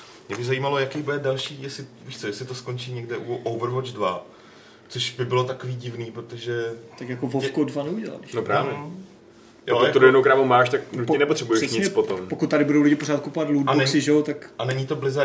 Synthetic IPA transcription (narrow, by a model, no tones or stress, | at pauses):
mɲɛbɪzajiːmalo̞jakijbudɛdalʃiːjɛsɪviːʃt͡sojɛsɪt̪osko̞nt͡ʃiːɲɛɡdɛʔuʔowvɾvod͡ʒdva | t͡soʃbɪbɪlo̞t̪akoviːɟɪvniːpɾot̪oʒɛt̪akjakovofkodvanɛuɟɛla̰lbɪnopɾaːvɛ | aot̪odojɛnowɡɾaːmumaːʃt̪aknucpɪnɛpot̪r̥ɛbujɛʃɲɪt͡spot̪ompokut̪̚ːaɾɪbudowlɪɟɪpoɾaːt̪̚kupovat̪ludanɛsɪʒɛwt̪akʔanɛɲɪt̪o̞blɪza